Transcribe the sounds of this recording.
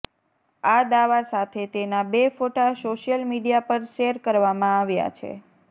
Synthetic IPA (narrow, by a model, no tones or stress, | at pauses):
ad̪aʋasat̪ʰet̪enabefoʈasoʃijəlmiɖijapəɾʃeɾkəɾʋamãaʋja̰t͡ʃʰḛ